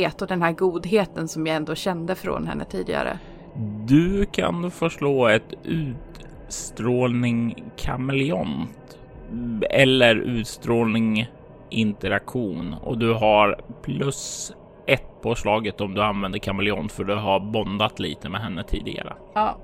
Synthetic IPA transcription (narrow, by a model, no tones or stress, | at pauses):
t̪ɔd̪ɛnɦæːɾɡuːd̪ɦeːt̪ənsɔmjɑɛnd̪oːɕɛnd̪əfɾo̰ːnhɛ̰nːə̰t̪ʰiːd̪ɪ̰ɡa̰ɾə̰ | d̪ɵkʰa̰nfœʂʈoːɛt̪ʉ̟ːt̪ | st̪ɾoːlnɪŋkʰamɛlɪɔnt̪ | ɛlːəɾʉ̟ːt̪st̪ɾoːlnɪŋ | ʔɪnt̪əɾakɧuːnɔ̰d̪ɵɦaɾpʰlɵs | ʔɛt̪ːpʰɔʂɭɑːɡət̪ɔmd̪ɵanvɛnd̪əɾkʰamɛlɪɔ̰nt̪fœɖɵɦaɾbɔnd̪at̪lḭːt̪ʰəmɛɦɛnːət̪ʰḭːd̪ɪ̰ɡa̰ɾə̰